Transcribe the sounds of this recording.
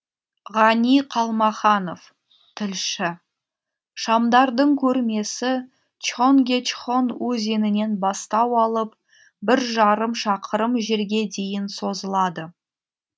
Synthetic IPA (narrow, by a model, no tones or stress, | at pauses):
ʁɑnijqʰɑlˠmɑχɑno̞f | t̪ʰɪlʃɪ | ʃɑmd̪ɑɾd̪əɴkʲʰɵɾme̞sɪ | t͡ʃoŋɡʲe̞t͡ʃχo̞nwɵze̞nɪne̞nbɑst̪ɑwɑlˠəp̚ | bɪɾʒɑɾəmʃɑqʰəɾəmʒeɾɡʲe̞d̪e̞jɪnso̞zəlˠɑd̪ə